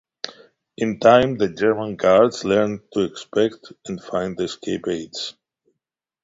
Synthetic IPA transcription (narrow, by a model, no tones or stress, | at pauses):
ʔɨ̃ntʰãɪ̃mðəd͡ʒɛɹmə̃nɡaɹdz̥lɛɹntʰuɛkspɛktɛ̃nfãɪ̃nðɨskʰeɪpeɪts